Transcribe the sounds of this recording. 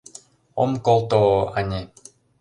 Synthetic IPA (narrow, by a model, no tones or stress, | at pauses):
omkolˠt̪oanʲe